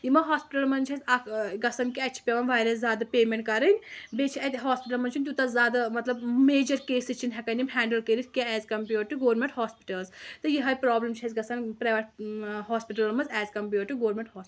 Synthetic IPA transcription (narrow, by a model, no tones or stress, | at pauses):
imɐɦaːspiʈɐlmɐnt͡ʃʰɐsʲɐkɡɐsɐnkiɐtːt͡ʃʰi̥pʲɐʋɐnʋaːjɾɐs̬zjaːd̪ɐpeːmeɳʈkɐɾɨnʲbet͡ʃʰiɐt̪ʲɦaːspiʈ̬ɐlmɐnt͡ʃʰunʲt̪ut̪ɐzaːd̪ɐmɐt̪lɐbmeːd͡ʒɐɾkeːsit͡ʃʰinɦɛkɐnimɦɛ̃ːɳɖɐlkeɾit̪ʰʲkʲeɛːzkɐmpʲjuɾʈːɨɡoːɾmẽɳʈhaːspiʈɐlzt̪ɨjiɦɐjpɾaːblɐmt͡ʃʰɐsʲɡɐsɐnpɾaːʋɐʈɦaːspiʈɐlmɐnzɛːzkɐmpʲjuːʈːɨɡoːɾmeɳʈhɔːsi